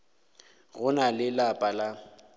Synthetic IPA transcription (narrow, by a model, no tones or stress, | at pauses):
ɣʊnalɪlapʼala